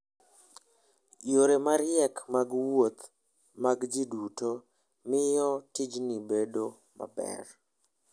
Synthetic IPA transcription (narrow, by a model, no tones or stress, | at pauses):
joɾemaɾjɛkmaɡwot̪ | maɡd͡ʒiduto | mɪjɔtɪd͡ʒnibedo | ma̰bɛ̰r